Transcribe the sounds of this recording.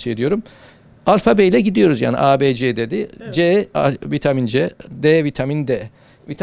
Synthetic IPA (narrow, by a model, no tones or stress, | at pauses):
ied̪ijo̞ɾum | alʲfabeilʲɛɟid̪ijo̞ɾuzja̰ːnḭʔaːbeːd͡ʒeːd̪ed̪ɪd͡ʒeːvit̪ʰamind͡ʒɛd̪eːvit̪ʰamind̪ɛ | vit̪ʰ